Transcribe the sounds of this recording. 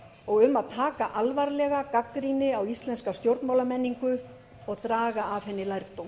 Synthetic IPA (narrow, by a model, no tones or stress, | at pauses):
ɔɣʏmːaðt̪ʰaːkaʔalvaɾlɛɣakakːɾiːnɪawist̪lɛnskast̪jowɾt̪nmawlamɛnːiŋkʏ | ɔɣt̪ɾaːɣaːfhɛnːɪlajɾt̪om